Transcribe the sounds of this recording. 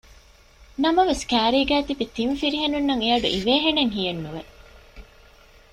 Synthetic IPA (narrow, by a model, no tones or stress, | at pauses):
nɐmɐʋeskæːɾiːɡæːt̪ibit̪imfiɾiɦenunːɐŋeɐɖṵʔiʋeːɦeneŋɦijenːuʋe